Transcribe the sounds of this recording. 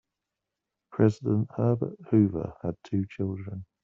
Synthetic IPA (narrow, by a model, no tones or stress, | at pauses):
pʰɹ̥ɛzɪdə̃nʔhɜːbə̰ʔhʉːvə̰əd̚tʰʉːt͡ʃʰɪlˠdɹə̃n